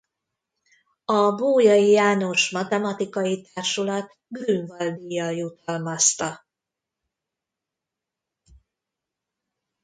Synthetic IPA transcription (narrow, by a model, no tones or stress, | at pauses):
ɒboːjɒjijaːno̞ʃmɒt̪ɛmɒt̪ikɒjit̪aːrʃulɒt̪ | ɡryɱvɒld̪ijːɒljut̪ɒlmɒst̪ɒ